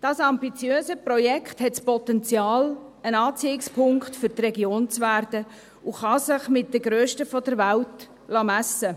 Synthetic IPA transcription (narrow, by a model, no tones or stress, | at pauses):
d̥ɑːsɑmbit͡sjøːsəprɔjɛkχthɛtspɔtɛnt͡sjɑːlənɑːt͡siɪkspʰʊŋkχtfʏɾtrɛɡjoːnt͡sʋærdə | uχɑsɪχmɪt̚d̥̪əɡɾøːʃtəfɔd̥əɾʋælt | lɑmæsə